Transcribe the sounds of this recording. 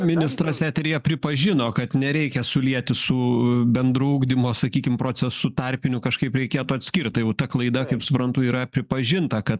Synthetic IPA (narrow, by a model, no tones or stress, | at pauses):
mʲɪnʲɪst̪ɾɐsʲæːt̪ʲɛɾʲijɛpʲɾʲɪpɐʒʲɪnoːkɐt̪nʲɛɾʲɛɪkʲɛsʊlʲiɛt̪ʲɪsʊbʲɛnd̪ɾʊuːɡd̪ʲimoːsɐkʲiːkʲɪmpɾoːt͡s̪ʲɛsʊt̪ɐɾʲpʲɪnʲʊkɐʃkɐɪpɾʲɛɪkʲeɛt̪ʊɐt̪ʲsʲkʲɪrʲt̪ɐjɛʊt̪ɐklˠɐɪd̪ɐkɐɪpsʊpɾɐnt̪ʊiːɾɐpʲɾʲɪpɐʒʲɪnt̪ɐkɐt̪